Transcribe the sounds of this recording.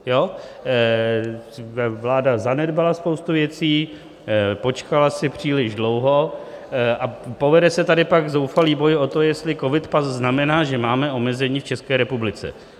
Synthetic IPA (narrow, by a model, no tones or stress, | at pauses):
jo | vlaːdazanɛdbalaspowst̪uvjɛt͡siː | po̞t͡ʃkalasɪpr̝̥iːlɪʒdlo̞wɦo̞ | ʔapo̞vɛdɛsɛt̪adɪpaɡzowfaliːbo̞jo̞t̪ojɛst̪lɪko̞vɪt̪pasznamɛnaːʒɛmaːmɛʔo̞mɛzɛɲiːft͡ʃɛskɛːɾɛpublɪt͡sɛ̰